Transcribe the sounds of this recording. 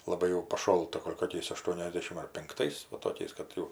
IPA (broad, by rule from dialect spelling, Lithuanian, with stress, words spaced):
lˠɐˈbɐɪ jɛʊ pɐˈʃoːlˠtɐ ˈɡoːlʲ koːˈkʲɛɪs ɐˈʃtuɔnʲɛzʲdʲɛʃʲɪm ɐr pʲɪŋkˈtɐɪs ˈʋɐ toːˈkʲɛɪs kɐt ˈjɛʊ